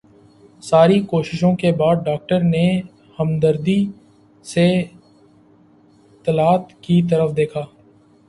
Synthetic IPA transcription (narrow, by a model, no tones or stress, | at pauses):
saːɾikoːʃɪʃõkebaːd̪̚ɖaːk̚ʈəɾne | həmd̪əɾd̪i | se | ɪt̪ːəlaːt̪kit̪̬əɾəfd̪eːkʰaː